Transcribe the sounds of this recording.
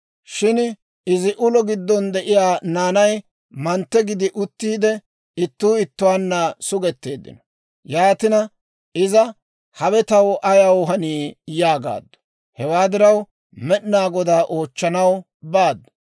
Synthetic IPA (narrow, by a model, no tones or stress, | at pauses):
ʃɪn | ɪzɪʔʊlɔɡɪd̪ːɔnd̪ɛʔɪjaːnaːnɐj | mɐnt̪ːɛɡɪd̪ɪʔʊt̪ːiːd̪ɛ | ɪt̪ːuːɪt̪ːʊwaːnːɐsʊɡɛt̪ːe̞ːd̪ːɪ̰nɔ̥ | jaːt̪ɪnɐ | ɪzɐ | hɐwɛt̪ɐwʔɐjɐwɦɐniːjaːɡa̰ːd̪ːɔ̥ | hɛwaːd̪ɪɾɐw | mɛɗnaːɡɔd̪aːʔo̞ːt͡ʃːɐnɐw | baːd̪ːɔ̥